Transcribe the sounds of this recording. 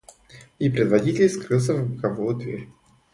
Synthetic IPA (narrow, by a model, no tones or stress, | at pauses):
ipɾʲɪd̪vɐdʲitʲɪlʲskɾɨlˠs̬ʲəvbɨkɐvujʊd̪vʲḛɾʲ